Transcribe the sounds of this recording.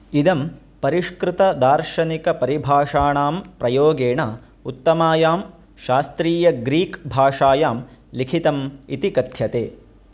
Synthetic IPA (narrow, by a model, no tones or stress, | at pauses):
id̪ɐm | pɐɾiʂkɾɪt̪ɐd̪aːɾʃɐnikɐpɐɾibʱaːʂaːɳaːmpɾɐjoːɡeːɳɐ | ut̪ːɐmaːjaːm | ʃaːst̪ɾiːjɐɡɾiːkbʱaːʂaːjaːmlikʰit̪ɐmit̪ikɐt̪ʰjɐt̪ḛː